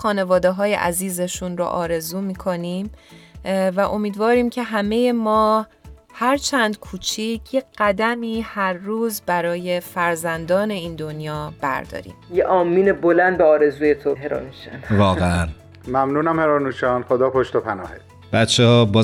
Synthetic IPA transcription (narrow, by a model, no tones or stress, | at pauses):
xɒːne̞vɒːd̪eɦɒːjḛʔæ̰ziːze̞ʃunɾo̰ʔɒːɾe̞zuːmiːkʰo̞niːm | væʔo̞miːd̪vɒːɾiːmcʰe̞ɦæme̞je̞mɒː | hæɾt͡ʃʰænd̪̥kʰuːt͡ʃʰiːcʰjeɢ̥æd̪æmiːhæɾːuːzbæɾɒːje̞fæɾzænd̪ɒːne̞iːnd̪o̞njɒːb̥æ̰ɾd̪ɒ̰ːɾḭːmjeʔɒːmːiːnebolænd̪̚beɒːɾe̞zuːjet̪ʰoɦeɾɒ̰ːnuʃæ̰nvɒːɣeæn | mæmnuːnæmheɾɒːnuʃɒːnxod̪ɒːpʰoʃt̪opʰænɒ̰ːhe | b̥æt͡ʃʰːehɒːbɒː